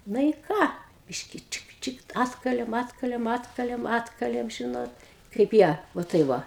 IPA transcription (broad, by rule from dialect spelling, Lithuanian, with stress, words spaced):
ˈnɐ ɪ ˈkɑː ˈbʲɪʃʲkʲɪ ˈt͡ʃʲɪk ˈt͡ʃʲɪk ˈɑːtkɐlʲeːm ˈɑːtkɐlʲeːm ˈɑːtkɐlʲeːm ˈɑːtkɐlʲeːm ˈʒʲɪnoːt kɐɪp ˈjiɛ ʋɐ ˈtɐɪ ˈʋɐ